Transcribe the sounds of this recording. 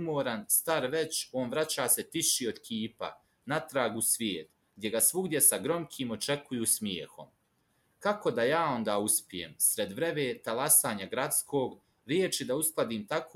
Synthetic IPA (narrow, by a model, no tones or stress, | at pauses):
moːɾanst̪aɾʋe̞t͡ɕo̞ːnʋɾat͡ɕaːset̪iʃio̞d̪kʰiːpa̰ | nat̪ɾaːɡusʋjeːt̪ | ɡd̪je̞ɡasʋuɡd̪je̞saɡɾo̞mkʰiːmo̞t͡ʃe̞kujuːsmjeːxo̰m | kako̞d̪ajaːo̞nd̪aːuspʲijḛmsɾe̞d̪ʋɾe̞ʋeːt̪alasaːɲaɡɾat̪skʰo̞ːɡ | ɾjeːt͡ʃid̪ausklˠad̪iːmt̪ako